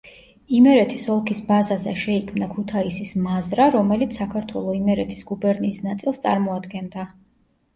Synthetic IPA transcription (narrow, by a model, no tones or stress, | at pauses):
imɛɾɛt̪ʰisɔlˠkʰisbazazɛ̰ʃɛikʰmnakʰut̪ʰaisismazɾaɾɔmɛlit̪ssakʰaɾt̪ʰwɛlˠɔimɛɾɛt̪ʰi̥sɡ̥ubɛɾniːsnat̪sʼilˠst̪sʼa̰ɾmɔad̪ɡɛnd̪a